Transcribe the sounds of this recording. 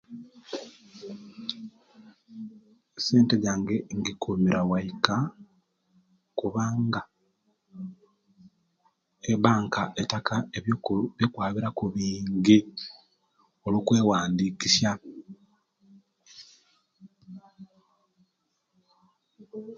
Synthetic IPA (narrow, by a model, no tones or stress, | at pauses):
seːnteɟaːŋɡeŋɡikumiɾawaika | kuβaːŋɡa | eβaːŋkaʔetakaeβjβjokwaːβiɾakuβiːɲɡi | olukweːwaːndiːkisja